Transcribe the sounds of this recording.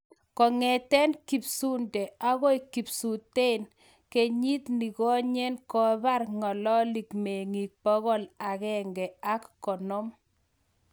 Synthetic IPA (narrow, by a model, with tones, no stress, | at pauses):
kɔ˨ŋɛ˨t̪ɛ˦nki˨psu˦ndɛ˨a˦ɣɔ˦i˨ki˨psu˨te˦n | ke˨ɲi˦t̪ni˨ɣɔ˦ɲe˦nkɔ˨ba˦rŋɔ˨lɔ˦li˨kme˨ŋi˨k̚pɔ˦ɣɔ˦la˨ɣɛ˦˨ŋɡɛ˨a˦kːɔ˨nɔ˦m